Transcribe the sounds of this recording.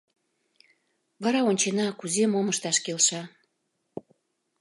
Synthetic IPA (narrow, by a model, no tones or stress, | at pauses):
βɑɾɑonʲt͡ɕenɑkuzemoməʃt̪ɑʃkelʃɑ